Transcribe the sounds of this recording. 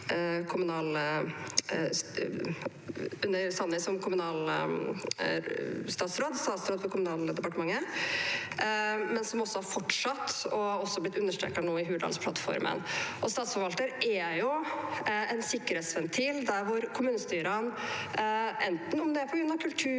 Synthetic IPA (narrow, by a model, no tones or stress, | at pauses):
kʰʊmʉnɑːl | ʉnːəɾsɑnːɪsɔmkʰʊmʉnɑːl | st̪ɑːt̪sɾoːd̪st̪ɑːt̪sɾoːd̪fɔkʰʊmʉnɑːld̪ɛpɑʈəmɑŋːə | mɛnsɔmɔsːɔhɑɾfɔʈʂɑt̪ːɔɔsːɔhɑblɪt̪ːʉnːəʂʈɾḛːkɑnoːɪɦʉːd̪ɑ̰lspʰlɑt̪fɔ̰ɾmə̰nʔɔst̪ɑːt̪sfɔɾʋɑlt̪əɾʔæjʊ | ɛnsɪkːəɾheːt̪sʋɛnt̪ʰild̪æɾʋʊɾkʰʊmʉːnəst̪yːɾɑn | ʔɛnt̪n̩ɔmd̪ɛæpʰɔɡɾʉnɑkʰʉlt̪ʰʉː